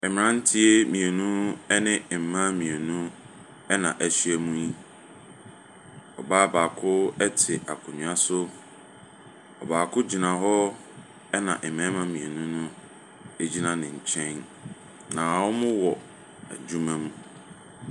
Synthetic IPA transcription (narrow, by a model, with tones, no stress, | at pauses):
ɛ˨mɪ̃˨ɾã˦n̩˦tʰi˦e˦mĩ˨e˨nũ˦ɛ˦nɪ̃˦˨m̩˨mã˦mĩ˨e˨nũ˦ | ɛ˦nã˨ʔæ˨sɥɛ˦mũ˦i˦ | ɔ˨baː˦baː˨kʰʊ˦ɛ˦tʰɪ˨ʔa̰˨kʰʊ˨ɲũ˨a˦sʊ˦ | ɔ˨baː˨kʰʊ˦d͡ʑi˨nã˨ɦɔ˦ | ɛ˦nã˨ʔɛ˨mɛ̃˦mã˦mĩ˨e˨nũ˦nʊ̃˦ | e˦d͡ʑi˦nã˦nɪ̃˨ɲ̩˨t͡ɕʰɛ̃˦n | nã˨wɔ˦mʊ̃˦wɔ˨ | æ̰˨d͡ʑu˦mã˦mũ˦